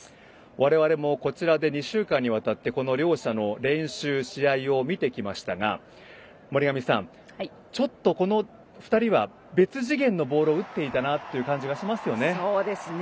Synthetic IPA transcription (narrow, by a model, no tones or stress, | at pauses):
βaɾe̞βaɾe̞mo̞ko̞t͡ɕiɾad̪e̞ɲ̟iɕɨːkãɲ̟ːiβat̪at̪ːe̞ko̞no̞ɾʲo̞ːɕano̞ɾẽ̞ɰ̃ɕɨːɕiaio̞mʲit̪e̞kʲimaɕi̥t̪aɡa̰ | moɾiɡamʲisã̰ɴ | t͡ɕo̞t̪ːo̞ko̞no̞ | ɸɯ̟̥t̪aɾʲiβa | be̞t͡sɨʑiɡẽ̞nːo̞bo̞ːɾo̞ɯ̟t̪ːe̞it̪anat̪ːe̞jɯ̟kãɲ̟d͡ʑiɡaɕimasɨjo̞ne̞od̪es